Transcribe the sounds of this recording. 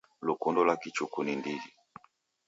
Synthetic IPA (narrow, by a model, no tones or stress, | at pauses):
lukundɔlakit͡ʃukunindid͡ʒi